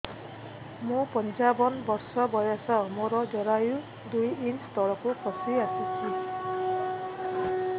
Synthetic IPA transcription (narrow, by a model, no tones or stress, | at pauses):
mupʌnisabʌnbʌrsʌbʌjasʌmoɾʌd͡zʌɾaju | d̪ujinst̪ʌɭʌkokʌsiasut͡sʰi